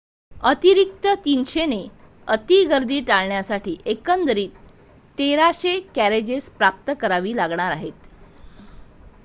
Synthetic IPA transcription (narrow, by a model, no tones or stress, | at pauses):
ət̪iɾikt̪ət̪inɕene | ət̪iɡəɾd̪iːʈaɭɳjasaʈʰiːʔekənd̪ɾiːt̪ː | eɾaɕekæɾed͡ʑespɾap̚t̪əkəɾaʋiːlaɡɳaɾaɦet̪